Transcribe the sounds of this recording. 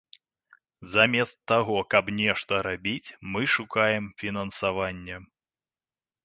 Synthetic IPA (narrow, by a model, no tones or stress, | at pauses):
zamʲɛst̪ːaɣɔkɐbnʲɛʂt̪ɐɾabʲit͡sʲmɨʂukajɛmfʲin̪ɐnsavanʲːɛ